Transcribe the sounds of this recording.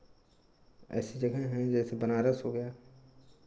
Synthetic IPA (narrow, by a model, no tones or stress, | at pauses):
ɛ̰ːsid͡ʒɐɡɛɦɛ̃d͡ʒɛːsebənaːɾasɦoɡɐjaː